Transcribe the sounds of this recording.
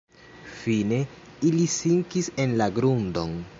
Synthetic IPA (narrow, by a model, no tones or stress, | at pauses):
fine̞ | ilisiŋkise̞nlaɡɾundo̞̰n